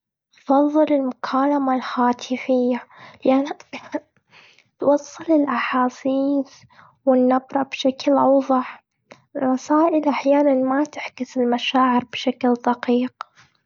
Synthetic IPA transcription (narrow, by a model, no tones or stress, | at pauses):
fɑðˤːɨlɪlmʊkʰaːlamalhaːt̪ʰɪfɪjːalʔan | t̪wɑsˤːɨlɪlʔaħaːsiːs | wɪnːabɾˤɑbʃaklʔɑwðˤɑħ | rˤːɑsaːʔɪlʔaħjaːnanmat̪ɪħkɪsɪlmaʃaːʕɪɾbʃakld̪ɑqiːq